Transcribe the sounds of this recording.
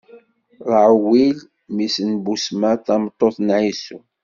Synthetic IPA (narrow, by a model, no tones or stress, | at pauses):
ɾˤəʕwil | misənbusmæθɑmt̪ˤːoθnʕisu